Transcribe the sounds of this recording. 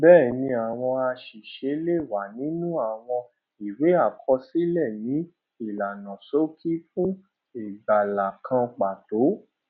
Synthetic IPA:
bɛː˦˨nĩ˧a˨w̃ɔ̃˧a˧ʃi˨ʃe˨˦le˦˨wa˨˦nĩ˦nũ˦a˨w̃ɔ̃˧ | i˨we˨˦a˦˨kʰɔ˧si˦lɛ˦˨nĩ˨˦ | i˦˨la˨nã˨so˦kʰi˦fũ˦ | e˨ɡ͡ba˨la˨kʰã˧k͡pa˨to˨˦

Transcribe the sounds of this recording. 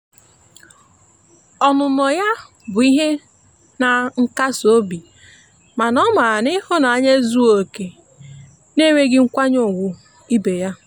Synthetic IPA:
ɔ˨nʊ˨nɔ˨ja˦ | bʊ˨i˦ɦe˦ | na˨ŋ̩˦ka˦so˦bi˨ | ma˨nɔ˦ma˨nɪ˦hʊ˦na˨a˦ɲe˦zu˦o˨ke˨ | ne˦me˦ɡɪ˦ŋ̩˦kʷa˦ɲo˦˨ɡʷʊ˨ | i˦be˨ja˦

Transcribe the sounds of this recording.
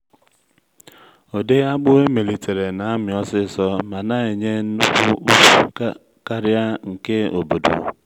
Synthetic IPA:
o˨de˦ɣa˦k͡pʊ˦we˦me˨li˨te˨ɾe˨na˨a˦mɪ˨ɔ˦sɪ˦˨sɔ˦ma˨na˦e˨ɲe˦nʊ˦kʷʊ˦ | ka˦ɾja˦ŋ̩˨ke˦o̰˨bo˨do̰˨

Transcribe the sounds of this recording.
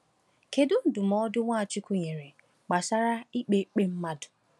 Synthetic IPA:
ke˨dʊ˦n̩˨dʊ˨mɔ˦dʊ˦ŋʷa˦˨t͡ʃɪ˦kʷu˦ɲe˨ɾe˨ | k͡pa˨sa˦ɾa˦i˦k͡pe˦k͡pe˦m̩˦ma˦dʊ̥˨

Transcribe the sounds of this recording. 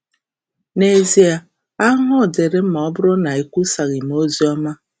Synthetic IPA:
ne˨zi˦a˨ | a˦ɦʊ˦˨dɪ˨ɾɪ˦m̩˦mɔ˨˦bʊ˦ɾʊ˦na˨i˨kʷu˦sa˨ɣi˨m˨o˦zi˦ɔ˦ma˦

